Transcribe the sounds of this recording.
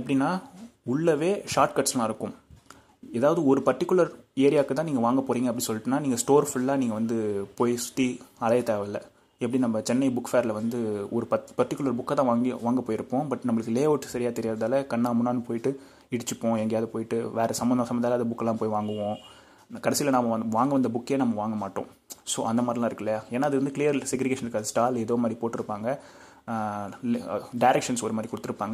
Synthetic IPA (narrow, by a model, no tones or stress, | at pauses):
ɛpːɐɽinːaːʊɭːɐʋeːʂaːɾʈkɐʈslãːɪɾɯkːʊ̃m | ɛːðaːʋɐðɯɔɾɯpɐɾʈːɪkʲːɯlɐɾeːɾɪjaːkːɐt̪ãːniːŋɡɐʋaːŋɡɐpoːɾiːŋɡɐpːɐɽĩnsɔlːɪʈːɯnːaːniːŋɡɐsʈoːɾfʊɭːaːniːŋɡɐʋɐnd̪ɯpoːjsʊ̥t̪ːiɐlɐjɐt̪eːʋɐlɐ | ɛpːɐɽinɐmːɐt͡ʃɛnːɐɪbʊkːfeːɾlɐʋɐnd̪ɯɔɾɯpɐpɐɾʈːɪkːlɐɾbʊkːaːt̪ãːʋaːŋɡʋaːŋɡɐpːoːjɪɾɯpːõːbɐʈːnɐmːɐɭɯkːɯleːʋoːʈːsɐɾɪjaːt̪ɛɾɪjaːɾɐðaːlɐkɐɳːaːmʊnːaːnɯpoːjɪʈːɯ | ɪɽɯt͡ʃːɯpːõːɛŋɡɐjaːðɐpoːjɪʈːɯʋeːɾɛsɐmɐnɐsɐmɐnd̪aːlɐðɐbʊkːɐlãːpoːjiʋaːŋɡɯʋõ | kɐɽɛsɪjlɐnɐmɐʋaːŋɡɐʋɐnd̪ɐbʊkːeːnɐmːɐʋaːŋɡɐmaːʈːõ̰ | so̰ːɐnd̪ɐmaːd̪ɾɪlãːɪɾɯkːɐlaeːnːaːɐðɯɾɐnd̪ɯkɪlɪjɐɾsɛk̬ɾɪɡeːʂɐnɾɯkːaːðɐsʈaːlɛðoːmaːd̪ɾipoːʈːɪɾɯpːaːŋɡɐ | lɖɐɪɾɛkʂɐnsɔɾɯmaːd̪ɾikʊɽɯt̪ːɯɾɯpːaːŋɡɐ